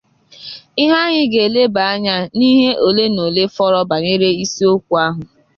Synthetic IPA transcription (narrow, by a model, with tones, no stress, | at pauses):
ɪ˦ɦa˦ɲɪ˦ɡe˨le˦ba˨a˦ɲa˦ni˦ɦe˦ʔo˨le˦no˨le˦fɔ˦ɾɔ˦ba˨ɲe˦ɾe˦i˦si˦o˦kʷu˨a˦ɦʊ˨